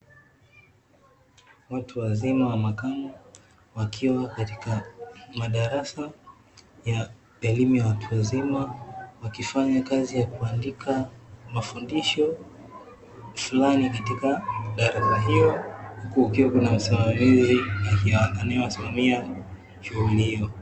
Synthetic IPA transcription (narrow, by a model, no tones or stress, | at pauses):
watʰuwazimawamakamu | wakʰiwakatikamaɗaɾasa | ja | ɛlimujawatʰuwazimawakifaɲakazijakuandikʰamafundiʃɔ | fulanikatikaɗaɾasaɦiɔhukuukiwakunam̩simamizijakiananajɔwasimamia | ʃuɣulihijɔ